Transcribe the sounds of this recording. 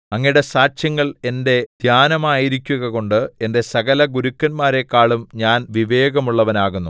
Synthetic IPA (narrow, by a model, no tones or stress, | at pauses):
ɐŋːɐjɽe̞saːt͡ɕjɐŋːɐɭe̞nde̞d̪̥ʱjaːnɐmaːjiɾikʲːuɣɐɣo̞ɳɖɨe̞nde̞sɐɣɐlɐɡuɾukːɐnmaːɾe̞kːaːɭumɲaːnʋiʋe̞ːɣɐmuɭːɐʋɐnaːɣunːu